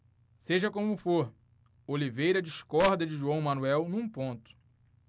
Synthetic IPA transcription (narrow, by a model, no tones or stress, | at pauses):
seʒɐkõmʊfoɾ | olivejɾɐd͡ʒiʃkɔɾd̪ɐd͡ʒɪʒuɐ̃w̃mɐ̃nuɛwnũpõnt̪ʊ̥